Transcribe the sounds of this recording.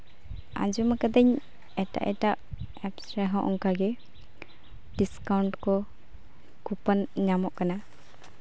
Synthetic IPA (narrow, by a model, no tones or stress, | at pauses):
a̰d͡ʒuməkad̪əɲ | ɛʈa̰ʔɛʈaʔ | ɛpsɾɛɦɔ̃ʔɔ̰ŋkaɡɛ | ɖiskawɳʈkɔ | kupənɲamɔʔkana